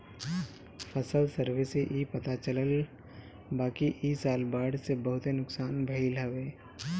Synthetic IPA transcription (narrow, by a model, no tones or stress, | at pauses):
pʰəsəlsəɾʋeseʔiːpɐt̪at͡ʃələl | baːkiʔiːsaːlbaːɽsebəɦʊt̪ɦenʊksaːnbʱəilɦəʋeː